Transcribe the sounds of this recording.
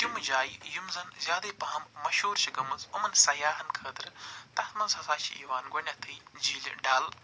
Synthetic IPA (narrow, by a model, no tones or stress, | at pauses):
t̪imɨd͡ʒaːjijumzɐnzʲaːd̪ɐːpɐɦɐmmɐʃoːɾʃɐɡɐmɐzumɐnsɐjaːɦɐnkʰəːd̪ɾt̪ɐt̪mɐnzhɐzaːʃḭʔḭːʋaːnɡonʲɐt̪ʰɨjd͡ʒiːl̰ɖaːl